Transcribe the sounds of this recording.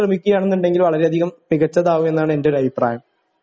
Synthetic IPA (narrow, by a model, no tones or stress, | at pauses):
rɐmikʲːuɣɐjaːɳenːuɳɖe̞ŋɡilʋɐɭɐɾe̞ɐd̪ʱiɣɐmːiɣɐt͡ɕːɐðaːʋume̞nːaːɳɨe̞ndeo̞ɾuɐbʱipra̰ːjɐm